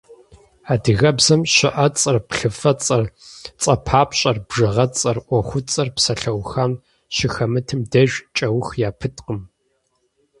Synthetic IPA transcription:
aːdɨɣɐbzɐmʃɪ̰ʔɐt͡sʼɐrpɬɨfɐt͡sʼɐrt͡sʼɐpʰaːpɕʼɐrbʐɨʁɐt͡sʼɐrʔʷɔχʷʊt͡sʼɐrpsɐɬɐwxaːm | ʃɪxɐmɨtʰɨmdɐʒʷᶣt͡ʃʼɐwʊxjaːpʰɨtʼqəm

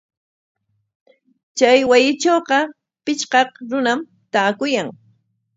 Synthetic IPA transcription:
t͡ʃajwajɪt͡ʃoːqɑ | pɪt͡ʃqɑqɾʊnam | t̪aːkʊjaŋ

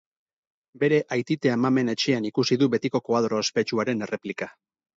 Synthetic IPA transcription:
be̞ɾe̞ʔajt̪it̪e̞amame̞ne̞t͡ʃe̞anikusiðuβe̞t̪iko̞koaðɾoespe̞t͡ʃuaɾe̞ne̞re̞plika

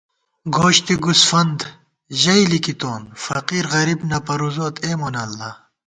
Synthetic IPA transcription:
ɡoːɕt̪iɡusfɐnd̪ | ʑɐilikit̪oːnfɐqiːɾɣɐɾibnɐpɐɾuzoːt̪ʰeːmonɐlːɐ

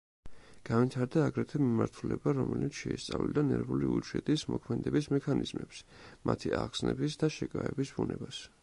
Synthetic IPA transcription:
ɡ̥anvit̪ʰaɾd̪aːɡɾɛt̪ʰɛmimaɾt̪ʰulɛbaɾɔmɛlit̪sʰʃɛist̪sʼavlild̪anɛɾvuliut͡ʃɛt̪ʼismɔkʰmɛd̪ɛbismɛkʰanizmɛpsmʔat̪ʰiʔaʁsnɛbisd̪aʃɛkʼaɛbisbunɛbas

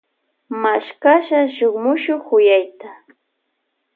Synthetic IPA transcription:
maʃkaʃaʃoχmʊʃoχʊjajt̪a

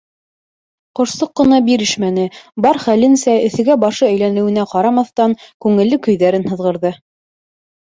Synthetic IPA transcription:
qŏʃsɤqːɤ̆nɑbiɾɘʃmænɘbɑɾχælɘnsæɵ̆θɘ̆ɡæbɑʃɤæjlænɘ̆wɘ̆næqɑɾɑmɑθt̪ɑŋkʉŋɘ̆lːɘkɵ̆jðæɾɘnhɤ̆ðʁɤ̆ɾðɤ

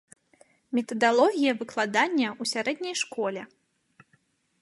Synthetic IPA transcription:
mʲɛt̪ɐd̪alˠɔɣʲijɐvɨklˠad̪anʲːɐusʲaɾɛd̪̚ʲnʲɐjʂkɔlʲɛ

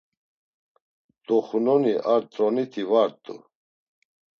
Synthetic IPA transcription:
d̪ʼɔχunɔniʔaɾt̪ʼɾɔnit̪ʰivaɾt̪ʼṵ

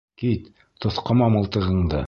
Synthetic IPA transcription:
kit̪ | t̪ŏθqɑ̆mɑmɤ̆lˠt̪ɤ̆ʁɤ̆ɴd̪ɤ̰

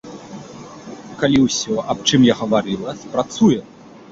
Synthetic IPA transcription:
kalʲiwsʲɔʔɐp̚t͡ʂɨmjaɣɐvaɾɨlˠɐpɾat̪sujɛ

